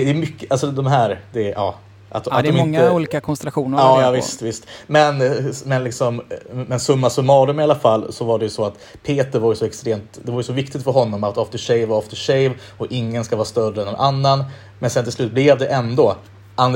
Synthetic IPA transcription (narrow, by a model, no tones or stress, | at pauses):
d̪ɛjmʏkːʔalsɔd̪ɔmɦæːɾd̪ɛɑ̰ː | ʔa̰t̪ɔat̪d̪ɔmɪnːuːliːkakʰɔnst̪ɛlaɧuːnəɑːjɑːvɪst̪vɪst̪mɛnmɛnlɪksɔmmɛnsɵmːasɔmːɑːd̪ɵmɪalafalːsɔvaɖɛjɵsɔat̪ | pʰeːt̪əɾvaɾjəsɔɛkst̪ɾeːmt̪d̪ɛvaɾjəsɔvɪkt̪ɪt̪fœɾɦɔnːɔmat̪ɔft̪əʂɛjvaɾɔft̪əʂɛjv | ɔɪŋːənskavɑːɾst̪œrəɛnd̪ɛnʔanːan | mɛnsɛnt̪ʰɪlslʉ̟ːt̪̚blɛvd̪ɛʔɛnd̪o | and̪